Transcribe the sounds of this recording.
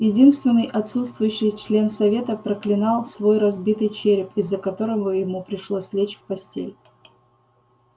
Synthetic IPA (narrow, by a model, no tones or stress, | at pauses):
jɪdʲinst̪vʲɪnːɨjʔɐt̪sut̪st̪vʊjʉɕːɪjt͡ɕlʲe̞nsɐvʲe̞t̪əpɾəklʲɪnɑlˠsvo̞jrɐzbʲit̪ɨjt͡ɕeɾʲɪpɪzːəkɐt̪o̞ɾəvəjɪmupɾʲɪʂlˠosʲvlʲet͡ɕfpɐsʲtʲḛlʲ